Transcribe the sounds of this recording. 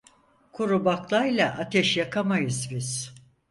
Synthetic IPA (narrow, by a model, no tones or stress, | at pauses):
kʰuɾubaklˠajlˠaʔat̪ʰɛʃjakʰamajɯzbiz̥